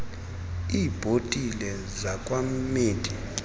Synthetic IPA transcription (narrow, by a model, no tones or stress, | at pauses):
iːb̥ʱotʼilɛ | zakʼwammeːtʼi